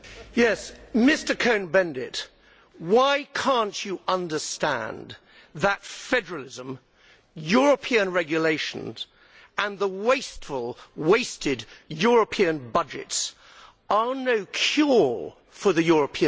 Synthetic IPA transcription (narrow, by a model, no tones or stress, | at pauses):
jɛsmɪstə˞kʰõʊ̃nbɛ̃ndɪ̰t | waɪkʰɑ̃nt͡ʃɨʔʌ̃ndə˞stæ̰̃n | ðətfɛdə˞l̩ˠɪzə̃m | jʊɹəpʰiɨ̃nɹɛɡjɨleɪʃn̩z̥ | ə̃nðəweɪstfəlˠweɪstʰɪdjʊɹəpʰiɨ̃nbʌd͡ʒɪ̰ts | ə˞noʊkʰj̥ɔɹ | fə˞ðɨjʊɹəpʰiɨ̃